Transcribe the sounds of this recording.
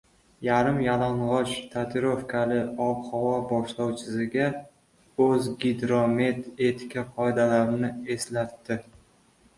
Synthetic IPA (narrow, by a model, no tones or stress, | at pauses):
jaɾɪmjalaɴʁɒt͡ʃt̪ʰat̪ʰɪɾofkʲʰalɪɒphɒwɒbɒʃlɒwt͡ʃʰɪsɪɡʲa | ɵzɡʲid̪ɾome̞t̪e̞t̪ʰɪ̥kʲʰaqʰɒed̪alaɾnɪe̞slat̪ːɪ